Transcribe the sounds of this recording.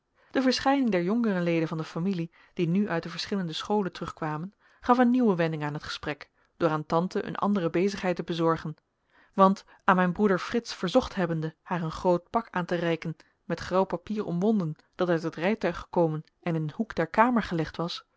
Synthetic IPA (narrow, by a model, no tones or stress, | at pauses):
d̥əvəɹsχɛjnɪŋdɛɹjɔŋkərəlejdənvɑndəfamili | d̥inyʔœɥt̚dəvəɹsχɪləndəsχowləntərɵχkʋaːmən | χɑfənːiwəʋɛndɪŋaːnɦətχə̥sprɛk | d̥ʊːɹaːntɑntəʔə̰nʔɑ̰ndərəbejzəχɦɛjtəbəzɔɹχən | ʋɑnt | aːnmɛjnbrudəɹfrɪtsfəɹzɔχtɦɛbəndəhaːɹənχrowt̚pɑkaːntərɛjkən | mɛtχrɑwpapiːɹɔ̰mʋɔndən | d̥ɑtœɥtɦətrɛjtœɥχə̥kowmən | ɛnənhukd̥ɛɹkaːməɹχəlɛχtʋɑs